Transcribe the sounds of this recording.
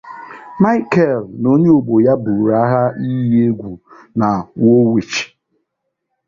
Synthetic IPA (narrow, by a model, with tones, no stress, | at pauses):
ma˦ɪ˦kɛ˦˨lno˦ɲe˦o˨ɡ͡bo˨ja˦bu˨ɾa˦ɦa˦i˦ɦe˦ɡʷu˨ | na˨wo˦we˨t͡ʃi̥˨